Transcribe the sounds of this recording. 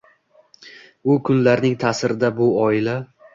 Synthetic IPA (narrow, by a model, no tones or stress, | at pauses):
ʊkʰʊnlaɾnɪŋt̪ʰasɪɾɪd̪abʊɒɪla